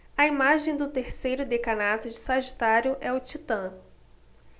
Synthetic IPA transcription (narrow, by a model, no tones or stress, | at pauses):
ɐimaʒẽj̃d̪ʊt̪eɾsejɾʊd̪ekɐnat̪ʊd͡ʒɪsaʒit̪aɾjʊʔɛʊt͡ʃit̪ɐ̃